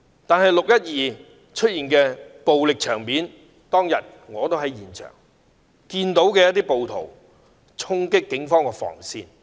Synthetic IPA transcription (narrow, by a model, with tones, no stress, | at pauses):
t̪aː˨nɦɐ˨jlʊ˨k̚jɐ˥t̚jiː˨ | t͡ʃʰɵ˥t̚jiː˨nkɛː˧po˨wlɪ˨k̚t͡ʃʰœː˨˩ŋmiː˨˥n | t̪ɔː˥ŋjɐ˨t̚ | ŋɔː˨˧t̪o˥wɦɐ˨˥jiː˨˩nt͡ʃʰœ̰ː˨˩ŋ | kiː˧nt̪o˨˥wkɛː˧jɐ˥t̪iː˥po˨wt̪ʰo˨˩w | t͡sʰʊ˥ŋkɪ˥kːɪ˨˥ŋfɔː˥ŋkɛ˧fɔ̰ː˨˩ŋsḭː˧n